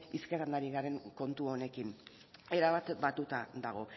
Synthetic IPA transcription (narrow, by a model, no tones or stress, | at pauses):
iskeɾand̪aɾiɣaɾe̞ŋko̞nt̪uo̞ne̞kin | e̞ɾaβat̪bat̪ut̪ad̪aɣ̞o̞